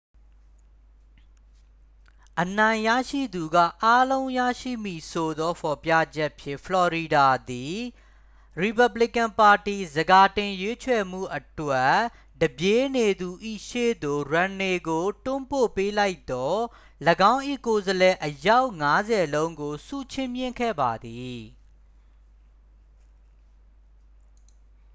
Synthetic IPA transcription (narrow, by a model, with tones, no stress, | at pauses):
ʔənã˨ɪ̃jä̰˦˨ʃḭ˦˨d̪u˨ɡa̰˦˨ʔa˦lõ˦ʊ̃jä̰˦˨ʃḭ˦˨m̥i˨sʰo˨d̪ɔ˦pʰɔ˨pja̰˦˨d͡ʑɛ˦ʔpʰjɪ̰̃˦˨fʰəlɔ˨ɹi˨da˨d̪i˨ | ɹi˨pa˨bli˦˨kã˨mpa˨ti˨zəɡa˨tɪ̃˨jwe˦t͡ɕʰwɛ˨m̥ṵ˦˨ʔətwɛ˦ | d̥əbje˨˦ne˨d̪u˨ʔḭ˦˨ʃḛ˦˨d̪o˨ɹã˨ne˨ɡo˨tʊ̃˦mpo̰˦˨pe˦la˦ɪt̪ɔ˦ | ləɡã˦ʊ̃ʔḭ˦˨ko˨zəlɛ˨ʔəja˦ʊʔŋa˦zɛ˨lõ˦ʊ̃ŋɡo˨sṵ˦˨t͡ɕʰɪ̃˦˨mjɪ̃˦˨ŋkʰɛ̰˦˨ba˨d̪i˨